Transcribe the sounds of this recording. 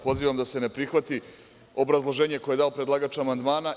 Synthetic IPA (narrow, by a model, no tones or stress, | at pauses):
po̞ziːʋamd̪ase̞nepɾixʋat̪i | o̞bɾazlˠoʒe̞ːɲe̞ko̞jed̪aopɾed̪laːɡat͡ʃamand̪maːna